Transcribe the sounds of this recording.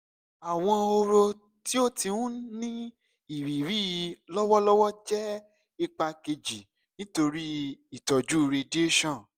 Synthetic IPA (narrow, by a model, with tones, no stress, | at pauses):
a˨w̃ɔ̃˧o˧ɾo˧ | ti˦o˦ti˧nũ˦nĩ˦ | i˨ɾi˨ɾi˦˨˧lɔ˦wɔ˦lɔ˦wɔ˦d͡ʒɛ˦ | i˦˧k͡pa˧ke˧d͡ʒi˨ | nĩ˦to˧ɾi˦i˦˨tɔ˨d͡ʒu˨˦˧ɾe˧de˦ʃɔ̃˦˨